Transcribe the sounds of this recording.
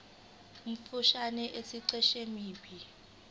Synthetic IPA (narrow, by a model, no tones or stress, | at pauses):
um̩fuʃanɛʔesiǀɛʃemiːbʰi